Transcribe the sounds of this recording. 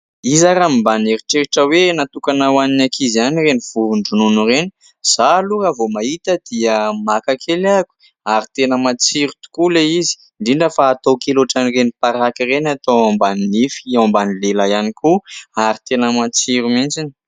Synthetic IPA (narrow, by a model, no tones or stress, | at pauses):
izaɾamimbaneɾiʈ͡ʂeɾiʈ͡ʂəwenat̪ukanawaninakʰizianireniv̥uvuɳɖ͡ʐununureni̥ | z̥aluɾəvomait̪əd̪iəmakakʰelaku̥ | aɾit̪enəmat͡siɾut̪u̥kuleizi̥ | ɳɖ͡ʐiɳɖ͡ʐəfaːt̪okeloʈ͡ʂanirenipaɾakirenat̪oambaninifambanilelajanikuaɾit̪enəmat͡siɾumint͡sini̥